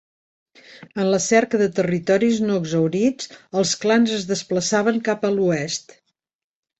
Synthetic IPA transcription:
ənləsɛɾkəðət̪ərit̪ɔɾiznoəɡzəwɾid͡zəlˠsklanzəzðəspləsaβ̞əŋkapəluɛst̪

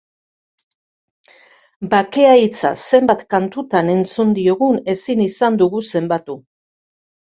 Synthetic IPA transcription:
bake̞ajt͡sa̰se̞mbat̪kant̪ut̪ane̞nt͡sund̪io̞ɣune̞sinisand̪uɣuse̞mbat̪u

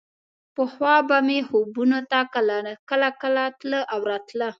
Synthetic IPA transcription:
pəxwɑbamehobunot̪akəlakəlakəlat̪ləʔawɾɑt̪lə

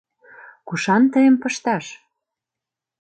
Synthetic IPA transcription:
kuʃɑnt̪əjəmpɤ̆ʃt̪ɑʃ

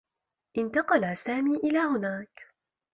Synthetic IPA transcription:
ʔɪnt̪ɑqɑlasaːmiːʔɪlaːhʊnaːk

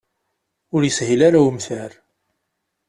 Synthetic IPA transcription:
ʊɾjəshilaɾawəmθæɾ

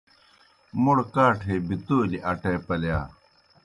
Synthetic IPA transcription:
muɽkaːʈʰeːbit̪oːliʔɐʈeːpɐljaː

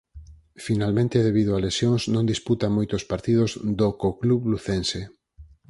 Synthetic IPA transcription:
finalmẽnt̪eðeβ̞ið̞oalesjoŋznõnd̪isput̪amojt̪ospaɾt̪ið̞ozd̪okokluβluθense

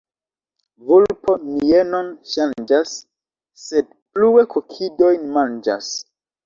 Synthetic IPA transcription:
vulpo̞niienonʃand͡ʒasː | e̞d̚ | pluekʰokʰido̞jnmand͡ʒa̰s

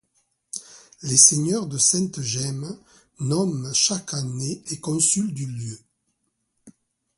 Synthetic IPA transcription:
leseɲœʁd̪əsɛ̃nt̪əʒɛm | nɔmʃakaneekɔ̃syld̪yljø

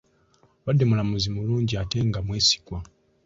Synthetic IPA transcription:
βadːemulamuzimuluːɲɟiate̞ŋɡamwe̞ːsi̥kwa

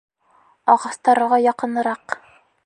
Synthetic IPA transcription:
ɑʁɑst̪ɑɾɤ̆ʁɑjɑqɤ̆nɤ̆ɾɑq

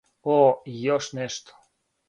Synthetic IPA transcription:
ojoʃneʃt̪

